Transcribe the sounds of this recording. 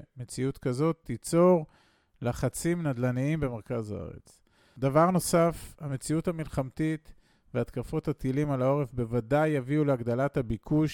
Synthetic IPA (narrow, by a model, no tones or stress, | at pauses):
me̞t͡siutkazo̞t̪ʰːit͡so̞ʁ | laχat͡simnad̪laniimbe̞meʁkazaa̰ʁe̞̰t͡s | d̪avaʁno̞safame̞t͡siuthamilχamt̪it̪ | veat̪kafo̞that̪ilimalao̞ʁefbe̞vadajːaviuleaɡd̪alathabikʰuʃ